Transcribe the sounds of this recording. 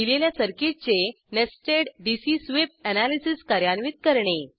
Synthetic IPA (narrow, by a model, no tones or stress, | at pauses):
ileljasəɾkiʈ̚t͡se | nesʈeɖɖisisʋep̚ənalisiskaɾjanʋit̪̚kəɾɳe